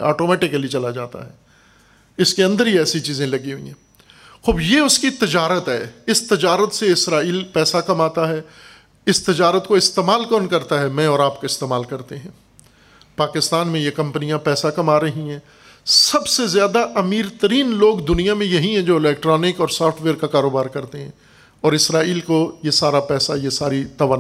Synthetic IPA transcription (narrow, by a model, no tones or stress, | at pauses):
ɔ̰ːʈoːmɛːʈɪkːəliet͡ʃɐlad͡ʒaːt̪a̰ɦɛ̰ː | ɪskeɐ̃nd̪əɾɦiɛːsit͡ʃiːzẽlɐɡiɦʊḭ̃ɦɛ̃ː | xʊːbjeʊskit̪ɪd͡ʒaːɾət̪ɦɛ̰ːɪst̪ɪd͡ʒaːɾət̪seɪsɾaːiːlpɛːsakɐmaːt̪aɦɛː | ɪst̪ɪd͡ʒaːɾət̪koɪst̪eːmaːlkɔːnkɐɾt̪aɦɛmɛ̃ɔːɾaːpkaɪst̪eːmaːlkɐɾt̪eɦɛ̃ː | paːkɪst̪aːnmẽjekɐ̃mpənijãpɛːsakɐmaːɾɐɦĩɦɛ̃ː | sɐbsezjaːd̪aʔɐmiːɾt̪əɾiːnloːɡd̪ʊnijamẽjɐɦĩɦɛ̃d͡ʒoːɪlɛːk̚ʈɾɔːnɪkɔːɾsɔːfʈʰʋeːɾkakaːɾoːbaːɾkɐɾt̪eɦɛ̰̃ː | ɔːɾɪsɾaːiːlkojesaːɾapɛːsajesaːɾit̪ɐʋən